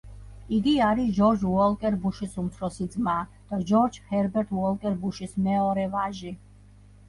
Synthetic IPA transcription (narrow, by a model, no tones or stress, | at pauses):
iɡiaɾiʒɔɾd͡ʒuɔlkʼɛɾbuʃisumt̪ʰɾɔsid̪zmaːd̪̥ad͡ʒɔɾd͡ʒhɛɾbɛɾt̪ʰuwɔlkʼɛɾbuʃismɛɔɾɛvaʒi